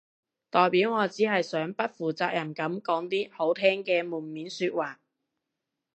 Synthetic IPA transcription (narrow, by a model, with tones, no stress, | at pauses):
t̪ɔː˨jpiː˨˥wŋɔː˨˧t͡siː˨˥ɦɐ˨jsœː˨˥ŋpɐ˥t̚fuː˨˩t͡saː˧k̚jɐ˨˩nkɐ˨˥mkɔː˨˥ŋt̪iː˥ho˨˥wt̪ʰɛː˥ŋkɛː˧muː˨˩nmiː˨˥nsyː˧t̚waː˨˩k̚